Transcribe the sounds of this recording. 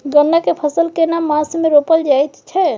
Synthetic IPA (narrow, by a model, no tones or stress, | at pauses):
ɡənːakepʰəsəlkenamasmeɾopəld͡ʒajt̪t͡ʃʰɛ